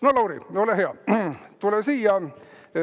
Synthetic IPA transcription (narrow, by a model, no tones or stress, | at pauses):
nolɑwɾioleɦeɑt̪ulesiːjɑ